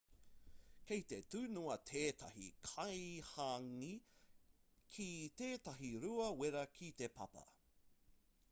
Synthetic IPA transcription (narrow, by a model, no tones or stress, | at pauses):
kejt̪et̪ʉːnuɐt̪ʰeːt̪ʰɐ̰hḭkʰɐjhaŋi | kʰit̪eːt̪ɐɦiɾuɐweɾɐkʰit̪e̞pʰɐ̰pɐ̰